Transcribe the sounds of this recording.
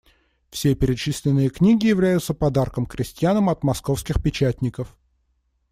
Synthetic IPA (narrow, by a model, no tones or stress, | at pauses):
fsʲepʲɪɾʲɪt͡ɕisʲlʲɪnːɨjəknʲiɡʲɪjɪvlʲæjʊt̪səpɐd̪arkəmkɾʲʔɪsʲtʲɪjanəmɐt̪mɐskofskʲɪxpʲɪt͡ɕætʲnʲɪkəf